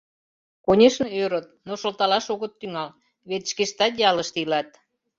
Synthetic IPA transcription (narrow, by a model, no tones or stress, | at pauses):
konʲeʃnɤøɾət̪̚noʃolt̪ɑlɑʃoɣə̆t̪ːyŋɑl | βet̪ʃkeʃt̪ɑt̪jɑləʃt̪ilɑt̪̚